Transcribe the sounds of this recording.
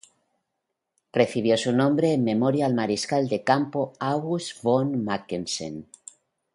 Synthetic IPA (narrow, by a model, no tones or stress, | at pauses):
rre̞θiβ̞jo̞sunõmbɾe̞ːmme̞mo̞ɾjaːlmaɾiskald̪e̞kampoaɣusbonmakensḛn